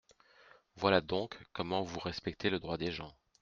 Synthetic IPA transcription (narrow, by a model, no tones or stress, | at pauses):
vwalad̪ɔ̃kːɔmɑ̃vuʁɛspɛk̚t̪eləd̪ʁwad̪eʒɑ̃